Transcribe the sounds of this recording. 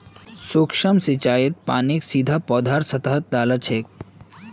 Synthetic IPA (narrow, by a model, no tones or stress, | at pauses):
sukʂəmsit͡ʃaːjet̪̚pa̰ːniksid̪ʱapɔːd̪ʱaɾsɐt̪əɦət̪̚d̪aːlɐt͡ʃʰek̚